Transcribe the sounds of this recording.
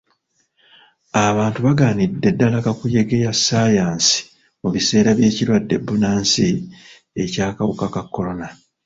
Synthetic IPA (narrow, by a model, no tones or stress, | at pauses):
aβaːntuβaɡaːnidːe̞dːalakakuje̞ɡe̞jasːaːjaːnsi̥ | muβise̞ːɾaβje̞ːciɾwadːe̞̰bːunaːnsi | e̞caːkawukakakːo̞lo̞na